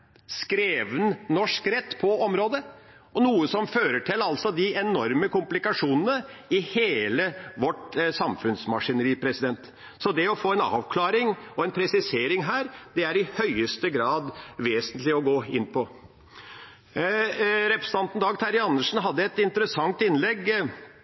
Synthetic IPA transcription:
skɾeːʋənnɔʂkɾɛt̪ːpʰɔɔmɾoːd̪ə | ɔnuːəsɔmføːɾəʈʰɪlːɑlsɔd̪ɪɛnɔɾməkʊmplɪkɑʂuːnənəɪheːləʋɔʈsɑmfʉnsmɑʂɪnəɾiːpʰɾɛsɪd̪ɛnt̪ | sɔd̪ɛɔfoːɛnɑ̰ːʋkʰlɑːɾɪŋɔɛnpʰɾɛsɪseːɾɪŋɦæːɾd̪ɛæɾɪhœʏəst̪əɡɾɑːd̪ʋeːsənt̪lɪɔɡoːɪnːpʰɔ | ɾɛpɾəsənʰɑnt̪n̩d̪ɑːɡt̪ʰɑɾɪɑnːəʂn̩ɦɑd̪ːəɛt̪ɪnt̪əɾəsɑŋt̪ɪnlɛɡ

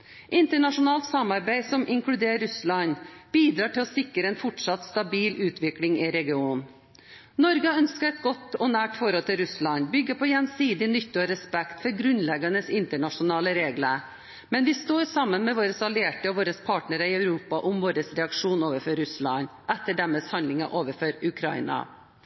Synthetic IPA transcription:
ʔɪnt̪əɳɑʂʊnɑːlt̪sɑmɑɾbæɪsɔmʔɪŋklʉd̪eːɾʉslɑɲb̥iːd̪ɾɑːʈɪlɔsɪkːəɾəɛnfɔʈʂɑt̪st̪ɑbiːlʉːt̪ʋɪklɪŋɪɾɛɡɪuːn | nɔɾɡəœnskəɾɛt̪̚ɡɔt̪ːɔnæːʈfɔɾhɔlt̪ʰɪlɾʉslɑnbʏɡːəpʰɔjɛnsiːd̪ɪnʏt̪ːəɔɾɛspɛkt̪fɔɾɡɾʉnlɛɡənəsɪnt̪əɳɑʂʊnɑːləɾeːɡlə | mɛnʋɪst̪oːɾsɑmːənmɛʋoːɾəsɑlɪeːʈəɔʋoːɾəspʰɑːʈɳəɾəɪœʉɾuːpɑʔʊmʋoːɾəsɾɛɑkʂuːnoːʋəfɔɾːʉslɑnʔɛt̪ːəɖæmɛːshɑnd̪lɪŋɑ̰ʔoːʋəɾfɔɾʉkʰɾɑɪnɑ̰

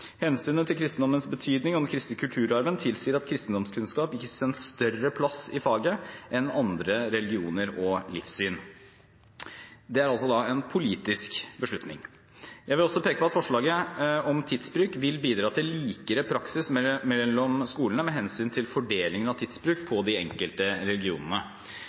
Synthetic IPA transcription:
hɛnsyːnət̪ʰɪlkʰɾɪst̪n̩d̪ɔmːənsbət̪ʰyːd̪nɪŋɔmkʰɾɪst̪əkʰʉlt̪ʰʉːɾɑɾʋənt̪ʰɪlsiːəɾɑt̪kʰɾɪst̪n̩d̪ɔmskʰʉnskɑːpɪkːəɛnst̪œrəpʰlɑsɪfɑːɡəʔɛnɑnd̪ɾəɾɛlɡɪuːnəɾɔlɪ̰fsyːn | d̪ɛæɾɑlsɔd̪ɑɛnpʰʊliːt̪ɪskbəʂɭʉt̪nɪ̰ŋ | jæɪʋɪlɔsːɔpʰeːkəpʰɔɑt̪fɔʂɭɑːɡəɔmt̪ʰid̪sbɾʉːkʋɪlbiːd̪ɾɑːt̪ʰɪliːkəɾəpʰɾɑksɪsmːɔmskuːlənəmɛɦɛnsyːnt̪ʰɪlfɔɖeːlɪŋənɑʋt̪ʰiːd̪sbɾʉːk̚pʰɔd̪ɪɛŋkəlt̪əɾɛlɪɡɪṵːnənə

